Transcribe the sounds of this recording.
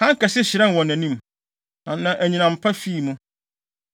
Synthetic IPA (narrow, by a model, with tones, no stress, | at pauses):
hã˦ŋ˦ka˨sɪ˦ɕɪ˨ɾɛ̃˦n˨wɔ̃˨næ̃˨nĩ˦m | nã˨nã˨ʔæ˨ɲĩ˨nã˨m˨pʰa˦fiː˦˨mũ˦